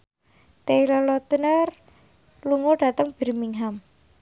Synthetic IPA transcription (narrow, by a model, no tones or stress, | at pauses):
t̪eilɔlɔt̪ənər | luŋoɖ̥ä̤t̪əŋb̥ə̤ɾimiŋɦam